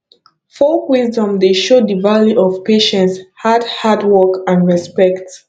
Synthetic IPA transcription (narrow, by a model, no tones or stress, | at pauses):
fɔlkwizdɔ̃mdeʃoddəvaljuʔɔvpeʃɛ̃ntshadhadwɔkãndɹɛspɛkt